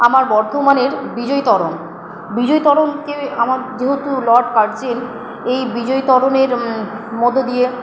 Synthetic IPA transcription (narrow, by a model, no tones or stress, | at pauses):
amaɾbɔɾd̪ʱomaneɾbid͡ʑojt̪ɔɽon | bid͡ʑojt̪ɔɽonkeamaɾd͡ʑeɦot̪ulɔɖkaɾd͡ʑen | ejbid͡ʑojt̪ɔɽoneɾmɔd̪ʱːod̪ije